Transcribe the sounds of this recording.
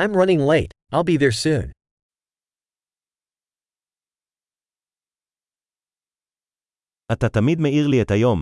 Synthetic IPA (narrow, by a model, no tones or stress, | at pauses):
ãɪ̃mɹʌnɪ̃ŋleɪtʔaɪlˠbiðə˞sʉ̃ːn | ʔat̪at̪amid̪meiʁliethajo̞m